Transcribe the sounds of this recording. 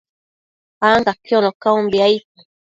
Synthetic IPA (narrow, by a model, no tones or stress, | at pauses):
aŋɡakɔ̃lɔkaũmbaika